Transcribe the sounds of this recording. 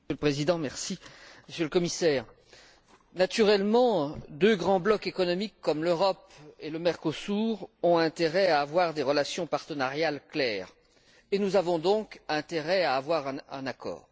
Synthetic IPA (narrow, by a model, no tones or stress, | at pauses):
øləpχezid̪ɑ̃mɛʁsiməsjøləkɔmisɛːʁ | nat̪yʁɛlmɑ̃d̪øɡʁɑ̃blɔkekɔnɔmikːɔmløʁɔpeləmɛʁkosuʁɔ̃ɛ̃t̪eʁɛaːvwaʁd̪eʁəlasjɔ̃paʁt̪ənaʁjalklɛːʁ | enuzavɔ̃d̪ɔ̃kɛ̃t̪eʁɛaːvwaʁɛ̃ɛ̰̃nakɔ̰ːʁ